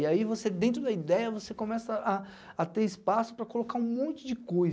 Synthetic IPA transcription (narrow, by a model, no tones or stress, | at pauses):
iaivosed̪ẽnt̪ɾʊd̪ɐid̪ɛjɐvosekõmɛsɐʔaː | t̪eɾispasʊ̥pɾɐkolokaũmõnt͡ʃʊd͡ʒɪkoj